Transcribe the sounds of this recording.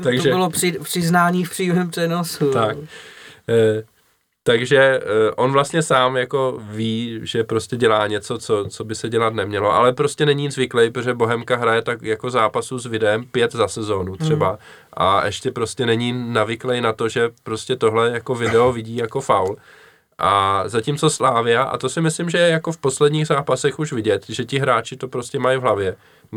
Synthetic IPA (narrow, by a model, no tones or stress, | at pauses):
t̪aɡʒɛbɪloprɪpr̥ɪznaːɲiːfpr̥iːmɛmpr̥ɛnosut̪akː | t̪aɡʒɛʔo̞nvlast̪ɲɛsaːmjako̞viːʒɛpɾo̞scɛɟɛlaːɲɛt͡so̞t͡so̞t͡so̞bɪsɛɟɛlat̪nɛmɲɛlo̞ʔa̰lɛpɾo̞scɛnɛɲiːzvɪklɛjpɾtoʒɛbo̞ɦɛmkaɦɾajɛt̪akjako̞zaːpasuzvɪdɛɛmpjɛt̪zasɛzo̞ːnut̪r̥ɛba | ʔa̰ʔɛ̰ʃcɛpɾo̞scɛnɛɲiːnavɪklɛjnat̪oʒɛpɾo̞scɛt̪o̞ɦlɛjako̞vɪdɛovɪɟiːjako̞fawl | ʔazacimt͡so̞slaːvɪaʔa̰t̪osɪmɪslɪmʒɛjɛjako̞fpo̞slɛdɲiːɣzaːpasɛxuʃvɪɟɛt̪ʒɛcɪɦɾaːt͡ʃɪt̪o̞pɾo̞scɛmajvɦlavjɛ